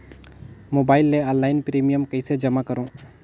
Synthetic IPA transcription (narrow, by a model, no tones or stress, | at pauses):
mobaːɪlːeɔnlːaːɪnpɾemijəmkəɪsed͡ʒəmakəɾõ